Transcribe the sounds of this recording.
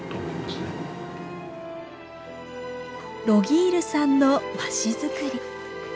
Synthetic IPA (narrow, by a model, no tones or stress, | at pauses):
ɾo̞ɡʲiːɾɯ̟sãnːo̞baɕizɨkɯ̟ɾʲi